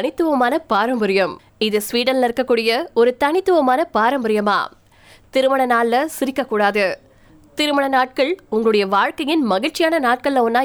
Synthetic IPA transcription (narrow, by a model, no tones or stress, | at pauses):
nɪt̪ːɯʋɐmaːnɐpaːɾɐmbɐɾɪjɐm | ɪðɯsʋiːɽɐnlɐɪɾɯkːɐkːuːɽɪjɐɔɾɯt̪ɐnɪt̪ːɯʋɐmaːnɐpaːɾɐmbɐɾɪjɐma̰ː | t̪ɪɾɯmɐɳɐnaːlːɐsɪɾɪkːɐkːuːɽaːðɯ | t̪ɪɾɯmɐɳɐnaːʈ̚kɐɭʊŋɡɐɭɯɽɐjɐʋaːɻkɐjɪnmɐɣɪt͡ʃːɪjaːnɐnaːʈ̚kɐɭːɐʊnːaː